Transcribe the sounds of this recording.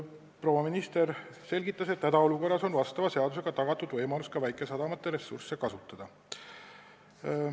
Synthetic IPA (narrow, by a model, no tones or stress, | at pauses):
pro̞wɑminist̪e̞ɾ | se̞lʲɡit̪ːˑɑse̞t̪ːæd̪ɑo̞luko̞rːɑso̞nvɑst̪ɑvɑse̞ɑd̪use̞ɡ̥ɑt̪ɑɡ̥ɑt̪ːˑud̪vɤjmɑluskɑvæjkˑe̞sɑd̪ɑmɑt̪ˑːe̞ɾe̞sːṵrse̞kɑsut̪ːˑɑd̪̥ɑ